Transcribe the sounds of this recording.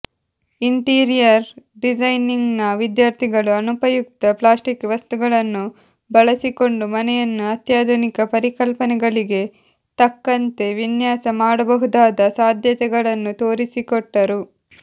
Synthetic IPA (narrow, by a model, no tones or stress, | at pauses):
iɳʈiːɾijɐɾɖid͡ʒɐjniŋɡnɐʋid̪jaːɾt̪ʰiɡɐɭuɐnupɐjuk̚t̪ɐplaːsʈikʋɐst̪uɡɐɭɐnːu | bɐɭɐsiko̞ɳɖumɐnɛjɐnːuɐt̪jaːd̪ʱunikɐpɐɾikɐlpɐnɛɡɐɭiɡe̞ | t̪ɐkːɐnt̪e̞ʋinjaːsɐmaːɽɐbɐɦud̪aːd̪ɐsaːd̪ʱjɐt̪ɛɡɐɭɐnːut̪o̞ːɾisikoʈːɐɾu